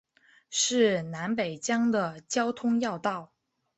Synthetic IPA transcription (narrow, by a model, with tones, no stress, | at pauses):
ʂɻ̩˥˩na˧˥npe˨˩ɪt͡ɕjɑ˥ŋd̪ə˨t͡ɕjɑ˥ʊt̪ʰʊ˥ŋjɑ˥˧ʊt̪ɑ˥˩ʊ